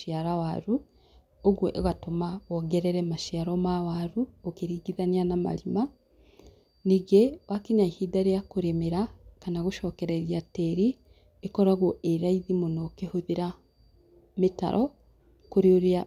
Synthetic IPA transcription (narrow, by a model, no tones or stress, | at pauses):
iaɾawaɾu | oɣwoʔoɣatomaɔɡɛɾɛɾɛmaʃiaɾɔmawaɾuokeɾiɡiðanianama̰lima | niɡewakiɲaihidaɾejakoɾemeɾakanaɣoʃɔːkɛɾaeɾjatɛɾi | ekɔɾaɣoʔeɾaiðimonokehoðeɾa | meta̰ɾʔɔ | koɾeoɾea